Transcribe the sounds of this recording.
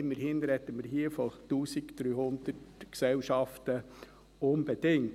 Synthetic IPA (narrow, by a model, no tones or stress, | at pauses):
ɪmːəɾhɪnɾɛtːəməɾɦiəfɔtuːsikd̥̪ɾyːhʊnd̪̥ətksɛlʃɑftə | onb̥ɛd̥ɪŋ